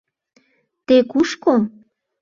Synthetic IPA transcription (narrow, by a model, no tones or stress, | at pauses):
t̪ekuʃko